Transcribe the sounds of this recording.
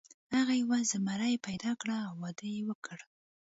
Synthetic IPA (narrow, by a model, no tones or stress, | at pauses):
haɣajawazamaɾajepajd̪ɑkɽaːwːɑd̪əjewəkʰəɽ